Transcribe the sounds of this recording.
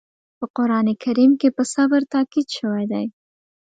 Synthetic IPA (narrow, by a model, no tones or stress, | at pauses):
pəqʊɾɑnekʰaɾimkepəsabəɾt̪ɑkid̪ʃəwajd̪aj